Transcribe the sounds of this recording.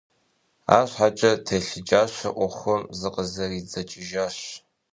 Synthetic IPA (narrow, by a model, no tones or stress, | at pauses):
a̰ːɕħat͡ʃʼɐtʰeɬɪd͡ʒaːɕɐʔʷʊχʷʊmzɨqʼəzɐrid͡zɐt͡ʃʼɪʒaːɕ